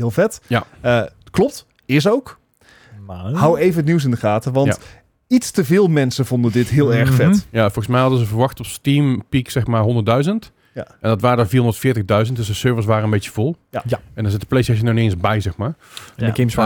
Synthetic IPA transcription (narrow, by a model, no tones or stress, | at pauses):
ɦɪːlˠfɛtjaə | klɔp̚t | ɪs̬owk | ɦawejvəətniws̬ɪndəχaːtəʋɑnt | itstəvɪːlˠmɛnsəvɔndədɪtɦɪːlˠɛɹxfɛtjafɔlˠɣəsmɛjɦɑdəzəvərʋɑxtɔpstimpiksɛxmaːɹɦɔndərt̚dœɥzənt | ʔɛndɔtʋaːrəəviːrondətfɪːtəɣdœɥzəntdøsdəsøɹvəs̬ʋaːɾənbetəv̥olˠɛndɔnzɪtəplejstɛʃ̬ənaneənsbɛjzɛxmaːrɛndəkɪmsa